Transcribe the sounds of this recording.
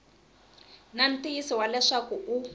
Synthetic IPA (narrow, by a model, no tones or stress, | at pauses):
nan̩tʼijisiwalɛʂakuʔu